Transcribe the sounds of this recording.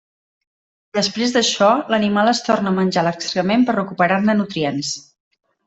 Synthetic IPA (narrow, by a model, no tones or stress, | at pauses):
d̪əspɾezðəʃɔlənimalˠəst̪ornəmənʲd͡ʒaləkst̪ɾəmempərrəkupəɾarnənut̪ɾiens